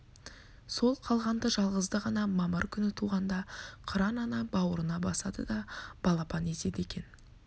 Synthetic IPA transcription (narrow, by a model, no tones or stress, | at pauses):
so̞lˠqʰɑlˠʁɑnd̪əʒɑlˠʁəzd̪əʁɑnɑmɑməɾkʲʰʏnɪt̪ʰuʁɑnd̪ɑqʰəɾɑnɑnɑbɑwəɾənɑbɑsɑd̪əd̪ɑb̥ɑlˠɑpɑne̞se̞d̪e̞kʲe̞n